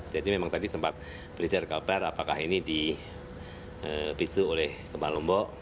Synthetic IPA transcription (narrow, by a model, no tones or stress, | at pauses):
d͡ʒadimemaŋt̪adisəmpat̪̚ | bəɾid͡ʒərkalpɛrapaka̰ɦinidi | əpisuolɛhkəbalɔmbɔʔ